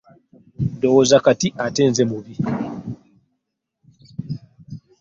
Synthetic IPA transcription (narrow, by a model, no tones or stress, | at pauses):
ndɔwozakatiʔatɛːnzɛmuβi